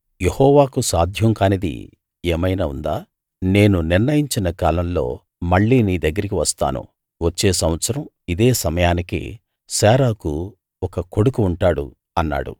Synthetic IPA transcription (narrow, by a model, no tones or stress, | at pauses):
jehɔːʋaːkusaːd̪ʱjɐŋkaːnid̪ḭ | eːmɐjnaːṵnd̪aː | ne̞ːnuniɾnɐjiɲt͡ʃinɐkaːlɐmlo̞̰ː | mɐɭːiːniːd̪ɐɡːɐɾik̬iʋɐst̪a̰ːnṵ | ʋɐt͡ʃːe̞ːsɐmʋɐt̪sɐɾɐm | id̪e̞ːsɐmɐjaːnikḭ | sɛːɾaːku | ɔkɐko̞ɽukuːɳʈaːɽṵ | ɐnːa̰ːɽṵ